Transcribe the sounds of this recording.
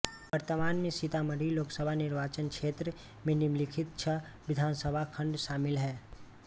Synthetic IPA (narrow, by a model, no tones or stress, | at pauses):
ʋəɾt̪əmaːnmẽsɪt̪aməɽiloːksəbʱanɪɾʋaːt͡ʃənkʃeːt̪ɾə | mɪ̃nimlɪkʰɪt̪̚t͡ʃʰə | ʋɪd̪ʱaːnsəbʱakʰə̃ɳɖʃaːmɪlɦɛː